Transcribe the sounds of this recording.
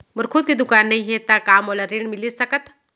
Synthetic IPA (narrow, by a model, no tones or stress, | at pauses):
məɾkʰʊd̪̚kid̪ʊkaːnːɐɦĩɦet̪akaːmoːlaɾeɳmɪlisɐkət̪